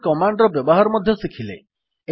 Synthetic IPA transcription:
kɔmaɳɖɾɔbjɔbɔɦaɾɔmɔd̪ʱjɔsikʰilḛ | e

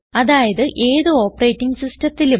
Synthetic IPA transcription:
ɐðaːjɐðɨʔe̞ːðɨo̞ːpːɐreːtːiŋɡɨsistɐt̪ːilu

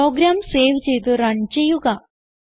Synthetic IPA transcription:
oːɡɾaːmse̞ːʋt͡ɕe̞jt̪ɨrɐɳt͡ɕejuɣɐ

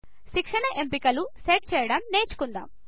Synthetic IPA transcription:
ʃikʂɐɳɐʔe̞mpikɐluseːʈ̚t͡ʃɛːjɐɽɐmne̞ːt͡ʃu̥kund̪a̰ːm

